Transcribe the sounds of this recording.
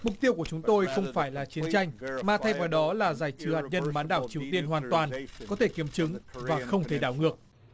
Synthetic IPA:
mʊ˨˩k͡p̚t̪i˧əwku˧˩ət͡ɕʊ˨˦ŋ͡mt̪o˧jxə˧wŋ͡mfaː˧˩jlaː˨˩t͡ɕi˨˦ənt͡ɕa˧jŋ̟maː˨˩t̪ʰa˧jvaː˨˩ɗɔ˨˦laː˨˩zaː˧˩jt͡ɕɨ˨˦haː˨˩t̚ɲə˧nɓaː˨˦nɗaː˧˩wt͡ɕi˨˩əwt̪i˧ənɦwaː˨˩nt̪waː˨˩nkɔ˨˦t̪ʰe˧˩ki˨˦əmt͡ɕɨ˨˦ŋvaː˨˩xə˧wŋ͡mt̪ʰe˧˩ɗaː˧˩wŋɨ˨˩ək̚

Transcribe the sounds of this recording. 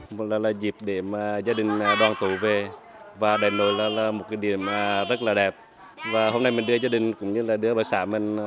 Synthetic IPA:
m˨laː˨˩laː˨˩zi˨˩p̚ɗe˧˩maː˨˩zaː˧ɗï˨˩ŋ̟ː˨˩ɗwaː˨˩nt̪u˧˩ve˨˩ | vaː˨˩ɗaː˨˩jno˧˩jlaː˨˩laː˨˩mo˨˩t̚ka˧˦ɗḭ˧˩əmʔːzə˦˥t̚laː˨˩ɗɛ˨˩p̚ | vaː˨˩ɦo˧mna˧jmi˨˩nɗɨ˧ə˧zaː˧ɗï˨˩ŋ̟kʊ̰˧˥ŋ͡mɲɨ˧laː˨˩ɗɨ˧˦əɓaː˧˩saː˧˩me˨˩ŋ̟

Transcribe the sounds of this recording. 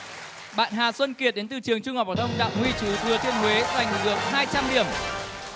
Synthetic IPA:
ɓa̰ː˧˨nɦaː˨˩swə˧nki˨˩ət̚ɗe˨˦nt̪ɨ̰˧˩t͡ɕɨ˨˩əŋt͡ɕʊ˧ŋ͡mha˨˩p̚ha˨˩t̪ʰwŋ͡mɗa̰ː˧˨wŋ͡mhwi˧t͡ɕɨ˨˦vɨ˨ət̪ʰi˧ənɦwe˨˦za˨˩jŋ̟˨˩k̚ɣɨ˨˩əp̚ɦaː˧jt͡ɕa˧mɗḭ˧˩əm

